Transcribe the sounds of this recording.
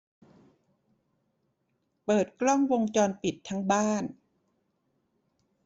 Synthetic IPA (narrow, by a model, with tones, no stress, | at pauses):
pɤː˨˩t̪̚klɔ˥˩ŋwo˧ŋt͡ɕɔː˧npi˨˩t̪ʰːa˦˥ŋbaː˥˩n